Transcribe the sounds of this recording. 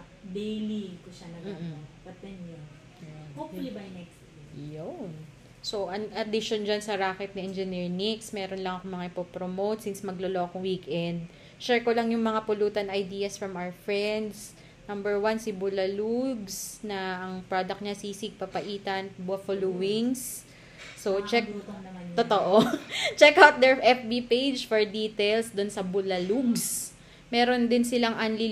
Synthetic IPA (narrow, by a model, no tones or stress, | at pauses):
d̪ejlikʊʃɐlɐɡmːbɐt̪̚bɛnjo | jonopʊlibajnɛks | jon | so̞ʔɐŋʔɐd̪ɪʃond͡ʒansɐɾaːkɛt̪̚nɐʔɛnd͡ʒɛniɹniksmɛːɾonlɐŋɐkomɐŋaɪpopɾomowt̪̚sinsmɐɡloloʔɐkoŋwiːkʔɛnd̪̚ | t͡ʃɛɹkolɐŋjʊŋmɐŋapʊluːt̪ɐnɐjd̪iːɐsfɹɐmʔawɛɹfɹɛnd̪s | nɐmbɛɹwansɪbʊlɐluɡsnɐːŋpɾod̪ɐk̚ɲɐsiːsɪɡ̚pɐpɐʔiːt̪ɐnbʊɐfoluwɪŋsː | ot͡ʃɛk̚t̪ot̪oʔot͡ʃɛkawt̪̚d̪ɛɹʔɛp̚bipejd͡ʒfoɹd̪iːt̪ɛjlsd̪ʊnsɐbʊlɐluɡs | mɛːɾo̞nd̪ɪnsɪlaŋʔanli